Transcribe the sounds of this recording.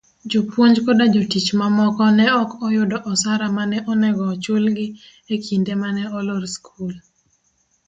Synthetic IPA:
d͡ʒopwoɲd͡ʒkɔdad͡ʒotit͡ʃmamɔkɔnɛɔkɔjʊdɔʔɔsaɾamanɛʔɔnɛɡɔt͡ʃʊlɡɪ | ekʰindemanɛɔloɾskʰul

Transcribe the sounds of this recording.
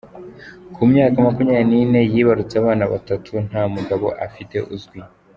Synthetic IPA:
kʰumɲaːkamakumɲaanine̞jiːβaɾut͡saβaːnaβa̰tatʰun̥aːmuɡaβo̞̰ʔafite̞ʔuzɡwi

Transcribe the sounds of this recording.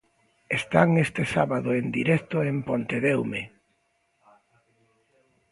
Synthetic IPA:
est̪aŋest̪esaβaðoend̪iɾɛkt̪oempont̪eðewme

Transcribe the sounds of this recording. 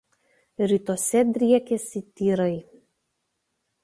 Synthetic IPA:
ɾʲiːˑt̪oːsʲɛd̪ʲɾʲiɛkʲɛsʲɪt̪ʲiːɾɐɪ

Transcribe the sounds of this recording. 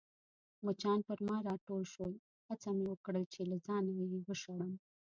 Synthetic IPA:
mət͡ʃɑnpəɾmɑɾɑʈolʃoj | hat͡samewəkɽəlt͡ʃelazɑnajewəʃaɽəm

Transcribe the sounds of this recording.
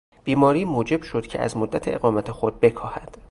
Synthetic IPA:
b̥iːmɒːɾiːmuːd͡ʒe̞bʃod̪̥cʰe̞̰æ̰zmod̪ːæt̪ʰeeɣɒːmæt̪ʰexo̞d̪̚be̞kʰɒːhæd̪̥

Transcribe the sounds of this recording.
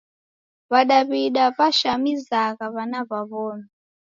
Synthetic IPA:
βaɗaβiɗaβaʃamizaɣaβanaβaβɔːna

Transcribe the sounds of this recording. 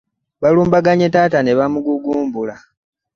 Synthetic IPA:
βaluːmbaɡaɲetaːtane̞βamuɡuɡuːmbula

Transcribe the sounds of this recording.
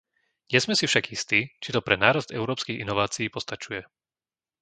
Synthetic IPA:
ɲɪɛzmɛsifʃaɡist̪iːt͡ʃit̪ɔpɾɛnaːɾazd̪ɛʊɾɔːpskiɣinɔʋaːt͡siiːpɔst̪at͡ʃujɛ

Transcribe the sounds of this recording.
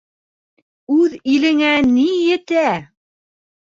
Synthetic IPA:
ʉðilɘ̆ŋænijɘ̆t̪æ

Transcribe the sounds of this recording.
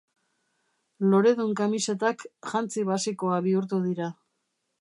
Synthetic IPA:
lo̞ɾe̞ðuŋkamiset̪akʝant͡siβasiko̞aβiuɾt̪̬uð̞iɾa

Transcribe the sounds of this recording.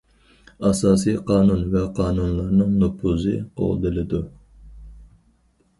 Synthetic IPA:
ɑsɑːsijqʰɑːnunvɛqʰɑːnunlˠɑɾnɨŋnopʰuzɨo̰ʁd̪ɨlɪd̪u

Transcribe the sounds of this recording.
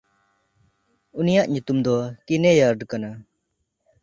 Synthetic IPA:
unijaʔɲut̪umd̪ɔkinejaɾɖkana

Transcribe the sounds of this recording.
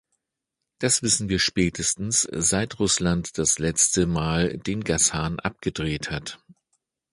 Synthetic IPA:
d̥asv̥ɪsn̩viːɐʃpɛːtʰəstn̩sz̥aɪtʁʊslantd̥aslɛt͡stəmaːld̥eːnɡashaːnʔa̰p̚ɡ̥ədʁeːthat

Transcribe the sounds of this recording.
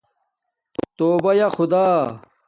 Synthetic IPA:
t̪oːbɐjɐxʊd̪aː

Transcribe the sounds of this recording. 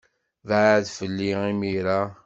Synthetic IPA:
vʕðfəlːiimiɾa

